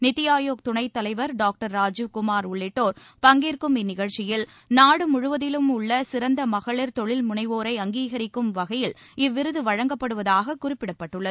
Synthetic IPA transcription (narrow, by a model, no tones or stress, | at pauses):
nɪt̪ːɪjaːjoːk̚t̪ʊɳɐɪt̪ːɐlɐɪʋɐɾɖaːk̚ʈɐɾːaːd͡ʒɯʋkʊmaːɾʊɭːɪʈːoːɾ | pɐŋɡiːɾkɯmɪnɪɣɐɻt͡ʃːɪjɪl | naːɽɯmʊɻʊʋɐðɪlɯmʊɭːɐsɪɾɐnd̪ɐmɐɣɐɭɪɾt̪ɔɭɪlmʊɳɐɪʋoːɾɐɪɐŋɡiːɣɐɾɪkːɯmʋɐɣɐjɪl | ɪʋːɪɾɯðɯʋɐɻɐŋɡɐpːɐɽɯʋɐðaːɣɐkʊrɪpːɪɽɐpːɐʈːɯɭːɐð